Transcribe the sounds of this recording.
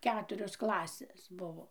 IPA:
ˈkʲæːtʊrʲoːs ˈklˠɑːsʲeːs ˈbʊʋoː

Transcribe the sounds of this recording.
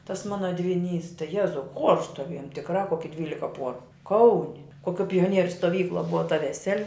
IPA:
tɐs ˈmɑːnɐ dʲʋʲɪˈnʲiːs tɐɪ ˈjæːzɐʊ xuɔrs stoːˈʋʲiɛjoːm tʲɪkˈrɐ ˈkoːkʲɪ ˈdʲʋʲiːlʲɪkɐ ˈpuɔrʊ ˈkɐʊnʲɪ koːˈkʲuɔ pʲoːˈnʲiɛrʲʊ stoːˈʋʲiːklˠuɔ ˈbʊʋɐ tɐ ʋʲɛˈsʲæːlʲɪ

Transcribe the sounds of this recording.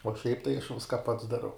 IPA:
uɔ ʃʲɛɪp tɐɪ ɐʃ ˈʋʲɪskɐ pɐts dɐˈrɐʊ

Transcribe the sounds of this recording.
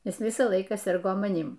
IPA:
ˈjɪs ˈʋʲɪsɑː ˈlˠɐɪkɑː ˈsʲɪrɡoː mɐˈnʲiːm

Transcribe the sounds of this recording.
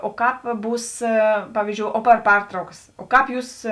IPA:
oː ˈkɑːp ˈbuːs ˈpɑːʋʲiːzʲd͡ʒʲoːʊ oː ˈpɐr ˈpɐrtrɐʊkɐs oː ˈkɑːp ˈjuːs

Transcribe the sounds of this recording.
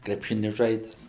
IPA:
krʲɛpʲˈʃʲɪnʲɪ ˈʒɐɪdʲɛs

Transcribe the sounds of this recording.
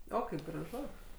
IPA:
ˈoː ˈkɐɪp ɡrɐˈʒʊ

